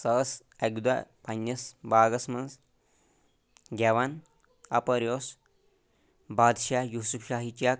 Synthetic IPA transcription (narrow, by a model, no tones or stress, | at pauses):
səs | ɛɡd̪apanːɐsbaɡɐsməns | ɡʲaʋan | a̰pəɾjos | bad̪ʃajusufʃaɦit͡ɕak̚